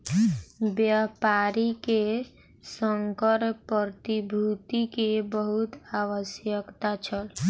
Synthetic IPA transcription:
bjapaɾike | səŋkəɾpət̪ibʱut̪ikebəɦut̪aʋəsjəkt̪at͡ʃʰəl

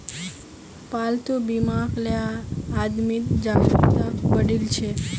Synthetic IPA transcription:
palt̪ubimãkleaːd̪mit̪d͡ʒakit̪aʋəɽilt͡ʃʰe

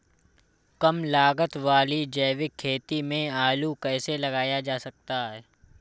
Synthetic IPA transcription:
kəmlaːɡət̪ʋaːlid͡ʒɛːʋɪkʰːeːt̪imẽaːlukɛːselɐɡaːjad͡ʒaːsɐk̚t̪aɦɛː

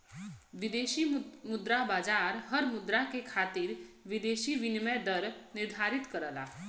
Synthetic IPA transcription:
ʋid̪eːʃimʊd̪ɾabaːd͡ʒaːɾɦəɾmʊd̪ɾakekʰaːt̪iːɾʋid̪eːʃiːʋinmɛd̪əɾnɪɾd̪ʱaːɾit̪kəɾəla̰ː

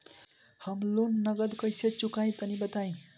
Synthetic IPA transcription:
hʌmlunːʌɡʌd̪kʌjset͡sukaj̃t̪ʌnibʌt̪aj̃

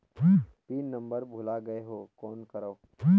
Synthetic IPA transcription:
piːnːɐ̃mbəɾbʱʊlaɡɐeɦoːkɔːnkɐɾaoː

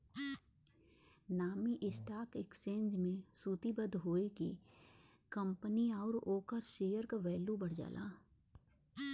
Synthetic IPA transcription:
naːmiʔɪsʈaːkɪkst͡ʃẽːnd͡ʒmẽsuːt̪ibəd̪ɦoːekḭ | kə̃mpəniaːʊɾoːkəɾʃeːjəɾkaʋɛːljubəɽ̤d͡ʒa̰ːlʔa̰ː

